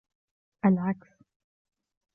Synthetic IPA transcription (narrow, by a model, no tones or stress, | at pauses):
ʔalʕaks